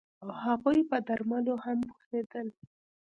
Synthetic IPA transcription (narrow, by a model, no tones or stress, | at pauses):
awhaɣujpəd̪aɾmalohambuxsed̪əl